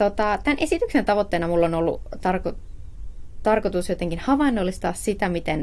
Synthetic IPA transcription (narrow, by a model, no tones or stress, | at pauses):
t̪ot̪ɑt̪ænʔesit̪yksent̪ɑʋot̪ːeːnɑmulːonolːṵt̪ɑrko | t̪ɑrkot̪usjot̪eŋkinhɑʋɑinːolːist̪ɑːssit̪æmit̪en